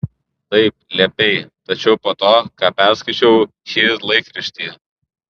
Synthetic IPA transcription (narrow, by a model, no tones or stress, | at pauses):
t̪ɐɪp̚lʲɛpʲɛɪt̪ɐt͡ʃʲɛʊpoːt̪oːkɑːpʲæˑɾskɐɪt͡ʃʲɛʊ | ʃʲiːlˠɐɪkɾʲɪʃʲt̪ʲiː